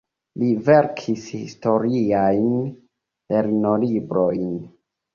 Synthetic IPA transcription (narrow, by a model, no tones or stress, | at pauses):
live̞ɾkʰishisto̞ɾiajn | le̞ɾno̞libɾojn